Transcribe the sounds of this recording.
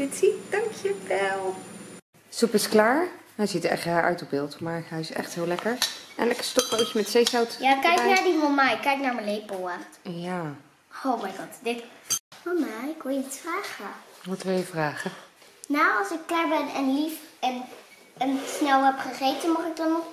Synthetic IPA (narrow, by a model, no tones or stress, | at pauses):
ɪtsid̥ɑŋkʰjəʋɛlˠ | supɪsklaːɹɦɛjzitɛ̰χtaɹʔœ̰ɥtɔb̚bɪːlˠtmaːɹɦɛjɪsɛ̰χtɦɪːlɛkəɹɛ̰nlɛkə̥stɔχowkəmɛtsejsawtjaːkɛjknaːɹdiɦomajkɛjknaːɹmənlejpoaja | owmajɡɔtdɪtomaɪkʋɪjəitsfraːχəmutəʋɛjəvraːχə | nawɑsɪkːlaːɹbɛnɛnlifɛn | ənsnɛlˠɛpχəχejtənmʊχɪk̚dɔnɔ